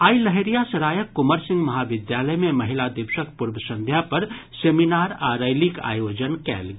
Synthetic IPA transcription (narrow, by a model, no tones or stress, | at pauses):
aːiləɦeɾijasɐɾaːjəkːʊməɾsɪ̃ŋɡmɐɦaʋɪd̪jaːləmẽmɐɦɪlad̪ɪbʃəkpuɾbəsə̃nd̪ʱjapɐɾ | seminaːɾaɾəjlika̰ːjoːd͡ʒənkɛ̰ːlɡ